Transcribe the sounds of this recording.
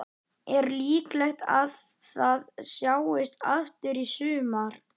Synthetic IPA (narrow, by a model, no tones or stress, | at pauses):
ɛɾliːklɛxt̪að | θaðsjaːwɪst̪aft̪ʏɾisʏːmaɾ̥